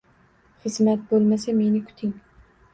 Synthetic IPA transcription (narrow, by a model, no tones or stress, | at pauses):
χɨzmat̪̚bolˠmasame̞nɪkʰʊ̥t̪ʰɪŋ